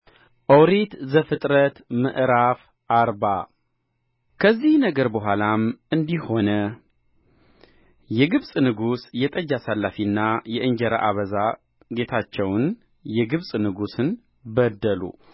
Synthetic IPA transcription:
ʔəwɾit̪zəfɨt̪ʼɾət̪mə̰ʔɾaf | ʔaɾba̰ | kʰəzːihnəɡəɾbəɦʷalamɨnd̪iho̞nə | jɛɡɨβsʼnɨɡusjɛt̪ʼəd͡ʒasalːafinːajɛʔɨɲd͡ʒɛɾa̰ʔaβəza | ɡe̞t̪ʰat͡ʃːɛwn | jɛɡɨβsʼnɨɡusɨn | bəd̪ːəlṵ

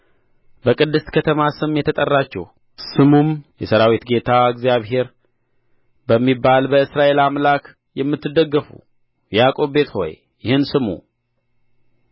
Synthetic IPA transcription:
bəkʼɨd̪ːɨst̪kʰət̪ʰəmasɨmːjɛt̪ʰːət̪ʼərːat͡ʃːɛ̰h | sɨmumjɛsəɾawit̪ɡe̞t̪ʰaɨɡzijaβɦe̞ɾ | bəmːibːalbəɨsɾaʔe̞lamlak | jɛmːɨt̪ːɨd̪ːəɡːəfṵ | jakʼo̞βbe̞t̪ho̞̰j | jɪhɨnsɨmṵ

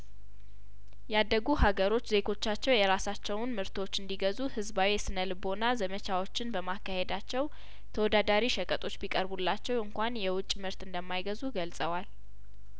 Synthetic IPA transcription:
jad̪ːəɡuhaɡəɾo̞t͡ʃːze̞ɡʰo̞t͡ʃːat͡ʃːɛwjɛɾasat͡ʃːɛwʊnmɨɾt̪ʰo̞t͡ʃːɨnd̪iɡəzuhɨzbawisɨnəlɨbo̞nazəmət͡ʃʰawo̞t͡ʃːɪnbəmakːahe̞d̪at͡ʃːɛw | t̪ʰəwɔd̪ad̪aɾiʃəkʼət̪ʼo̞t͡ʃːbikʼəɾbulːat͡ʃːɛwɨŋkʷanjɛwʊt͡ʃʼːmɨɾt̪ɨnd̪əmːajɡəzuɡəlsʼəwal

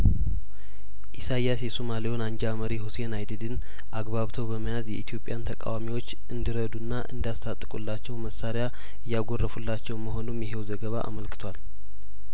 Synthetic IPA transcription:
ʔisajasjɛsomalijonand͡ʒaməɾihusenajd̪ɨd̪ɨn | ʔaɡbaβt̪ʰəwbəməjazjɛʔit̪ʰijo̞pʼːjant̪ʰəkʼa̰wamiwo̞t͡ʃː | ɨnd̪iɾəd̪unːaʔɨ̰nd̪ijast̪ʰat̪ʼːɨkʼṵlːat͡ʃːɛwməsaɾja | ɨjːaɡo̞rːəfulːat͡ʃːɛwməɦo̞numjɛɦewzəɡəβaʔa̰məlkɨt̪ʰwal

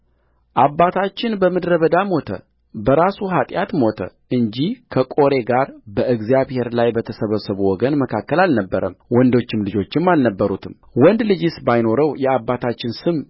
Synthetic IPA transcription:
ʔabːat̪ʰat͡ʃːɪnbəmɨd̪ɾəβəd̪amo̞t̪ʰə̰ | bəɾasuɦat̪ʼjat̪mo̞t̪ʰə̰ | ʔɨɲd͡ʒihkʰəkʼo̞ɾe̞ɡaɾbəɨɡzjaβhe̞ɾlajbət̪ʰəsəβəsəβuwɔɡənməkʰakːəlalnəbːəɾəmwɔnd̪o̞t͡ʃːɪmlɨd͡ʒo̞t͡ʃːɪmːalnəbːəɾut̪ʰɨm | wɔnd̪lɨd͡ʒɪsbajno̞ɾəwjɛabːat̪ʰat͡ʃːɪnsɨm

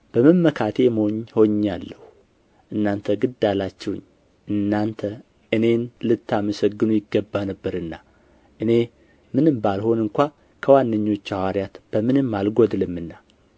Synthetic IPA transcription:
b̥əməmːəkʰat̪ʰe̞mhoɲːho̞ɲːalːəhu | ʔɨnːant̪ʰəɡɨd̪ːalat͡ʃːɛw̰ɲː | ɨnːant̪ʰə | ʔɨne̞nlɨt̪ːaməsəɡːɨnujɪɡːəbːanəbːəɾɨnːa | ʔɨne̞ | mɨnɨmbalho̞nɨŋkʷa | kʰəwanːəɲːo̞t͡ʃːawaɾjat̪b̥əmɨnɨmːalɡod̪ɨlɨmːɨnːa

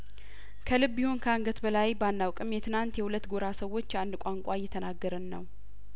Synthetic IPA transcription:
kʰəlɨbːihonkʰəaŋɡət̪bəlajbanːawkʼɨmjɛt̪ʰɨnant̪jɛhulət̪ːɡoɾasəwːo̞t͡ʃːand̪kʷʼaŋkʷʼajɛt̪ʰənaɡːəɾɨnːəw

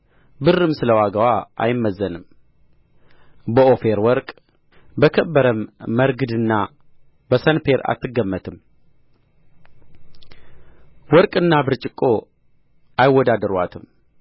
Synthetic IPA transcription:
bɨrːɨmsɨləwaɡəwaʔa̰jɪmːəzːənɨm | bəʔofe̞ɾwɔɾkʼ | bəkʰəbːəɾəmːəɾɡɨd̪ɨnːa | bəsənpe̞ɾa̰t̪ʰːɨɡːəmːət̪ʰɨm | wɔɾkʼɨnːabɨɾt͡ʃʼɪkʼo | ajɪwːɔd̪ad̪əɾwa̰t̪ʰɨm

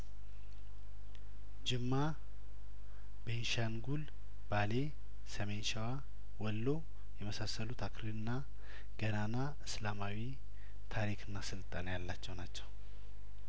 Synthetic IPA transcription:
d͡ʒɪmːa | benʃanɡul | b̥ale | səmenʃɛwa | wɔlːo̞ | jɛməsasːəlut̪ʰakʰɾiɨnːa | ɡ̥ənana | ɨslamawi | t̪ʰaɾikʰɨnːasɨlt̪ʼanjalːat͡ʃːɛwnat͡ʃːɛw

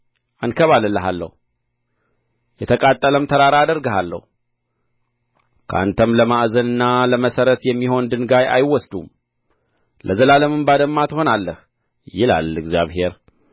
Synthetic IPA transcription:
ʔankʰəβaləlːəɦalːə̰hu | jɛt̪ʰəkʼat̪ʼːələmt̪ʰəɾaɾaad̪əɾɡəhalːə̰hu | kʰə̰ʔa̰nt̪ʰəmləmaʔzənɨnːaləməsəɾət̪jɛmːiho̞nd̪ɨnɡaja̰jwːɔsd̪um | lʔəzəlaləmɨmbad̪əmːat̪ʰho̞nalːəh | jɪla̰lɨɡzijaβhe̞ɾ

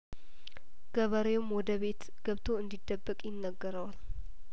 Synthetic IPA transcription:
ɡ̥əβəɾewʊmwɔd̪əβe̞t̪ | ɡ̥əβt̪ʰoɨnd̪id̪ːəbːəkʼjɪnːəɡːəɾəwal

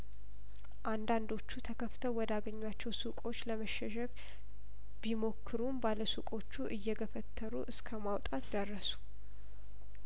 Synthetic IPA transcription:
ʔand̪and̪o̞t͡ʃːut̪ʰəkʰəft̪ʰəwwɔd̪aɡəɲːwat͡ʃːɛwsukʼo̞t͡ʃːləməʃɛʃɛk | bimo̞kʰːɨɾumbaləsukʼo̞t͡ʃːuʔɨjːɛɡəfət̪ʰːəɾṵʔɨskʰəmawt̪ʼat̪d̪ərːəsu̥

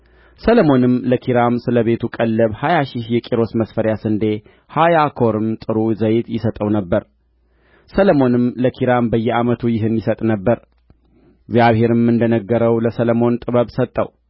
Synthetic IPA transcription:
sələmo̞nɨmləkʰiɾamsɨləβe̞t̪ʰukʼəlːəβhajaʃihjɛkʼiɾo̞sməsfəɾjasɨnd̪e̞ | hajakʰo̞ɾɨmt̪ʼɨɾuzəjt̪jɪsət̪ʼəwnəbːəɾ | sələmo̞nɨmləkʰiɾambəjːɛamət̪ʰujɪɦɨnjisət̪ʼnəbːəɾ | ɡzjaβhe̞ɾɨmːɨnd̪ənəɡːəɾəwləsələmo̞nt̪ʼɨβəβsət̪ʼːə̰w

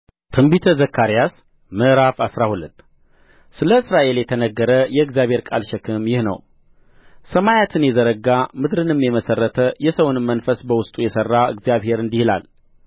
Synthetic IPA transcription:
t̪ʰɨmbit̪ʰəzəkʰːaɾijas | mɨʔɾafasɾahulət̪ː | sɨləɨsɾaʔe̞ljɛt̪ʰənəɡːəɾəjɛɨɡzijaβhe̞ɾkʼalʃɛkʰɨmjɪhnə̰w | səmajat̪ʰɨnjɛzəɾəɡamɨd̪ɾɨnɨmjɛməsərːət̪ʰəjɛsəwnmːənfəsbəwʊst̪ʼujɛsərːaɨ̰ɡzijaβhe̞ɾɨnd̪ihila̰l

